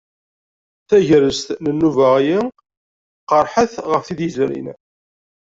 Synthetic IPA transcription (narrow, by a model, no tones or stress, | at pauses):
θæʝɾəst̪nənːuvæʁji | qəɾˤħəθʁəfθiðizɾḭn